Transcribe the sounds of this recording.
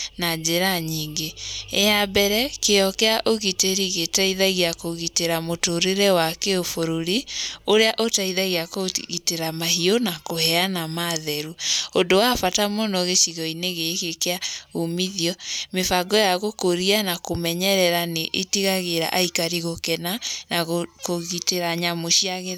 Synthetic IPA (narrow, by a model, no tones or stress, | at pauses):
nad͡ʒeɾaɲiŋɡeeabɛɾɛkeɔkɛaʔoɣiteɾiɣetaiðaɣiakoɣiteɾamotoɾeɾɛwakeofoɾoɾioɾeaʔotaiðaɣiakoɣiteɾamahionakohɛanamaðɛɾuondowafatamonɔɣeʃiɣɔineɣekekeaomiðiɔmefaɡɔjaɣokoɾianakomɛɲɛɾɛɾaneʔetiɣaɣeɾa̰ʔaikaɾiɣokɛnanakoɣiteɾaɲamoʃiaɣe